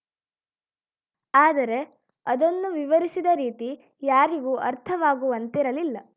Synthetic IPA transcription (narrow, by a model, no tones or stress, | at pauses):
aːd̪ɐɾe̞ | ɐd̪ɐnːuʋiʋɐɾisid̪ɐɾiːt̪i | jaːɾiɡuːʔɐɾt̪ʰɐʋaːɡuʋɐnt̪iɾɐlilːɐ